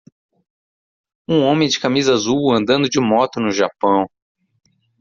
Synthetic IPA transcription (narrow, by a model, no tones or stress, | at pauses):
ũõmẽj̃d͡ʒɪkamizazuwɐ̃nd̪ɐ̃nd̪ʊd͡ʒɪmɔt̪ʊnʊʒapɐ̃w̃